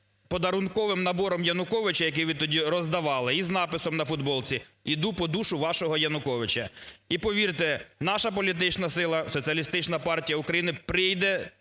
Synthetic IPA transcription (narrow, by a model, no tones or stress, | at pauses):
pɔd̪ɐɾʊnkɔʋɪmnɐbɔɾɔmjɐnʊkɔʋɪt͡ʃɐjɐk̬ɪjʋɪt̪ɔdʲiɾɔzd̪ɐʋɑlˠɪiznɑpɪsɔmnɐfʊd̪bɔlˠt͡sʲiid̪upɔd̪uʃʊʋɑʃɔɦɔjɐnʊkɔʋɪt͡ʃɐ̰ipɔʋʲirt̪ɛnɑʃɐpɔlʲit̪̬ɪt͡ʃnɐsɪlˠɐsɔt͡sʲiɐlʲist̪ɪt͡ʃnɐpɑrtʲijɐʊkɾɐjinɪpɾɪjd̪ɛ